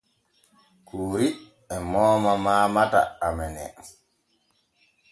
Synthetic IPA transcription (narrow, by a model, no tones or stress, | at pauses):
kʰuːɾi | ɛmɔːmamaːmata̰amɛnɛ̰